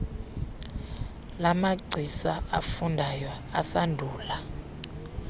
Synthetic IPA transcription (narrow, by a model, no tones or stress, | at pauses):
lamaɡ͡ǀʱisaafundʱajɔ | a̰sandʱuːla